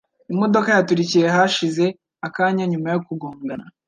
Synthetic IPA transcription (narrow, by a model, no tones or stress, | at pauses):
imo̞do̞kajatuɾicije̞ɦaʃize̞ | akaːɲaɲumajokuɡoːŋɡana